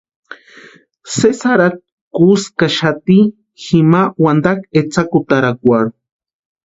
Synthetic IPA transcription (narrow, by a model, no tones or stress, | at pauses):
sesaɾat̪̚ | kuskaʃat̪i | ximawand̪aket͡sakut̪aɾakʷaɽu